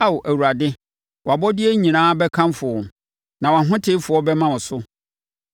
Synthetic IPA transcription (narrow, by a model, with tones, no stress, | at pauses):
a˦wʔæ˨wu˨ɾa˨dɪ˦ | wɔ˨a˨bɔ˦dɪ˦ɛ˦ɲĩ˨nãː˦bɛ˦kʰã˦mfʊ˨ɔ˨ | nã˨wa˨ɦʊ̃˦tʰɪ˦fʊ˨ɔ˦bɛ˦mã˦wʊ̃˨sʊ˦